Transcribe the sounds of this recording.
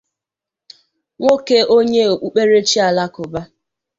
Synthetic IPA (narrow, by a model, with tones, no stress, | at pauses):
ŋʷo˦ke˦ʔo˦ɲe˦o˨k͡pu˦k͡pe˦ɾe˦t͡ʃi˦a˨la˦kʊ˨ba˦